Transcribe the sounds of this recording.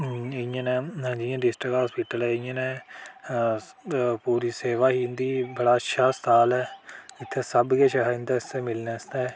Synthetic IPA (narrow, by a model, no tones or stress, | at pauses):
ɪjãnɛːd͡ʒiãːɖɪsʈɾəkɦaːspɪʈəlɛːɪjãːnɛː | puːɾiːseːʋaːɦiːnd̪iːbəɽaːʃʃʰaːst̪ʰaːlɛːɪt̪ʰːɛːsəbɡeːʃaɦɪ̃nd̪aːst̪eːmɪlneːst̪ɛː